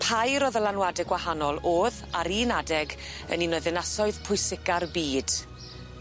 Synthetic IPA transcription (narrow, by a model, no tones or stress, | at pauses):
pʰajɾɔðəlanwadɛɡwahanɔlˠoːðaɾiːnadɛɡ | ə̰ninoðɪnasɔɨðpʰʊɨsɪɡarbiːd̥